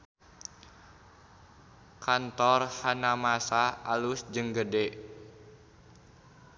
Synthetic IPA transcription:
kʰant̪ɔrhanamasaalusd͡ʒəŋɡədɛʔ

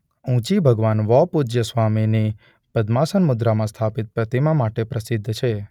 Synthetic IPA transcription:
ũt͡ʃibʱəɡʋanʋɔpud͡ʒjəsʋamini | pəd̪masənmʊd̪ɾamãst̪ʰapit̪̚pɾət̪imãmaʈepɾəsɪd̪ʱːt͡ʃʰe

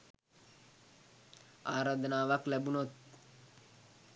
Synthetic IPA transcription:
aːɾaːd̪ənaːʋaklæbunot̪̚

